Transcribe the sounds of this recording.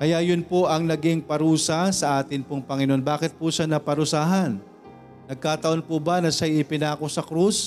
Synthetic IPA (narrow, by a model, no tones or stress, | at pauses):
kɐjajʊnpoʔɐŋnɐɡɪŋpɐɾuːsɐsɐʔaːt̪ɪnpʊŋpɐŋɪnonbaːkɪt̪̚pʊʃanɐpɐɾʊsaːɦɐnː | ɐɡ̚kaːt̪ɐʔo̞npʊbɐnɐʃajɪpɪnaːko̞sɐkɾus